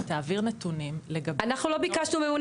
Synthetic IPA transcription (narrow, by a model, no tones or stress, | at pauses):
t̪aːviʁnet̪unimle̞ɡabanaχnulo̞bikaʃnumemun